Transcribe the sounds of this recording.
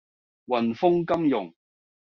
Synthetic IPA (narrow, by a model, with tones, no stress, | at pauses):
wɐ˨˩nfʊ˥ŋkɐ˥mjʊ̰˨˩ŋ